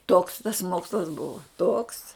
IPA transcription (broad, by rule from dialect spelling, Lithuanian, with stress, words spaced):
toːks tɐs ˈmoːkslˠɐs ˈbʊʋɐ toːks